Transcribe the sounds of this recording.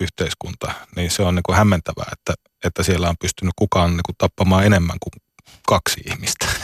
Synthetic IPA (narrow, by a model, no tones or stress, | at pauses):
yht̪eiskunt̪ɑniːnseonniːŋkuhæmːent̪æʋæ̰ːet̪ːæ | et̪ːæsielːæompyst̪ynːykkukɑːnniːkut̪t̪ɑpːɑmɑːenemːæ̰ŋkuŋ | kɑksihmist̪æ̥